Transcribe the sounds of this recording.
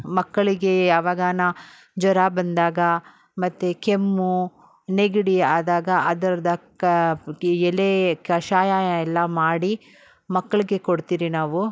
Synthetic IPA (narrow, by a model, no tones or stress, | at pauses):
mɐkːɐɭiɡe̞jaːʋaːɡaːna | d͡ʒɔɾaːbɐnd̪aːɡɐ | mɐt̪ːekemːu | neɡiɽiaːd̪aːɡɐʔɐd̪ɐɾɐd̪ɐ | ɛlekɐʃaːjaɛlːɐmaːɽi | mɐkːɐɭiɡe̞koɽt̪iːɾinaːʋu